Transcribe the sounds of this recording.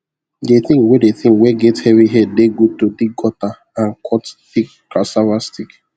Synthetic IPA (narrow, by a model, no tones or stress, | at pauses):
deθĩŋkwɛdeθĩŋkwɛɡɛthɛviɦɛdeɡutodiɡ̚ɡɔta | ãnkʰɔtθik | kasavastik